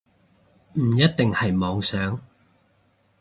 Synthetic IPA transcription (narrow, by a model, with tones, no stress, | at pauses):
m̩˨˩jɐ˥t̚t̪ɪ˨ŋhɐ˨jmɔː˨˧ŋsœː˨˥ŋ